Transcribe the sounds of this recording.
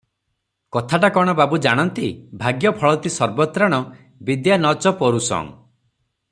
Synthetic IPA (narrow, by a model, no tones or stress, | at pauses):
kɔt̪ʰaʈakɔɽ̃ɔbabud͡ʒaɽ̃ɔnt̪ibʱaɡjɔpʰɔɭɔt̪isɔɾbɔt̪ɾaɽ̃ɔ | bid̪janɔt͡ʃɔpɔɾusɔ̰ŋ